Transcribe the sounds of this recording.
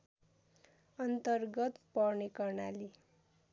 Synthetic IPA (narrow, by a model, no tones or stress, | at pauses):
ʌnt̪ʌrɡʌt̪pʌrnekʌrna̰li